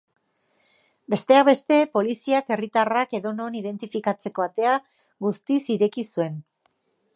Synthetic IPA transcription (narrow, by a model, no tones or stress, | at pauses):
be̞st̪e̞aβe̞st̪e̞po̞lisiake̞rit̪arake̞ðo̞no̞nið̞e̞nt̪ifikat͡se̞ko̞at̪e̞a | ɡust̪isiɾe̞kisue̞n